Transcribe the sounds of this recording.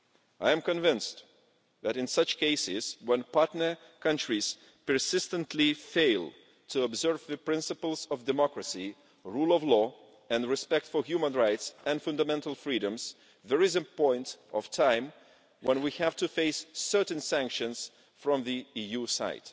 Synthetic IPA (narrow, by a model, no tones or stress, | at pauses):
ʔaɪɨ̃mkɨ̃nvɪ̃nst | ðæɾɨ̃nsʌt͡ʃkʰeɪsɪz̥wɛ̃npʰɑɹtnə˞ | kʰʌ̃ntɹ̥iz̥ | pə˞sɪstə̃ntʰlifeɪlˠ | tʰɨəbzɜ˞vðɨpʰɹ̥ɪ̃nsɨpl̩ˠzʌvdɨmɑkɹɨsi | ɹulˠʌvlɔ | ɨ̃nɹɨspɛk̚tfə˞hjʉmə̃nɹaɪtsɨ̃nfʌ̃ndəmɛ̃ntəl̩ˠfɹiɾɨ̃mz̥ | ðə˞ɨzɨpɔ̃ɪ̃ntʔʌv̥tʰãɪ̃m | wə̃nwihæv̥tɨfeɪsːɜ˞ʔn̩sæ̃ŋkʃɨ̃nz̥ | fɹʌ̃mðiijusa̰ɪt